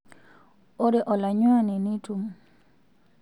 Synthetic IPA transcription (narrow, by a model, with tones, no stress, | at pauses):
o˦ɾe˨ʔɔ˨la˨ɲwa˦˨ne˨ni˦tu˦m